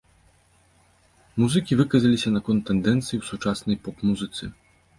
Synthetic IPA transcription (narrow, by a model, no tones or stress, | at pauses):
muzɨkʲivɨkɐzɐlʲisʲɐnɐkɔnt̪ːɛnd̪ɛnt̪sɨjiwsut͡ʂasnɐjpɔpmuzɨt̪sɨ̰